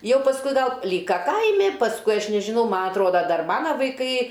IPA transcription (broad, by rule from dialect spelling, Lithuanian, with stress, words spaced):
ˈjɛʊ pɐsˈkʊɪ ˈɡɐlˠ ˈlʲiːkɐ ˈkɐɪmʲɪ pɐsˈkʊɪ ˈɐʃ nʲɛʒʲɪˈnɐʊ ˈmɐ ɐtˈroːdɐ ˈdɐr ˈmɑːnɐ ʋɐɪˈkɐɪ